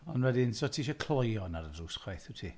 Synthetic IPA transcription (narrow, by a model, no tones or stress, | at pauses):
ɔnwɛdɪnsɔtʰiːʃɔkʰlˠɔjɔnaɾədruːsχwajθutʰiː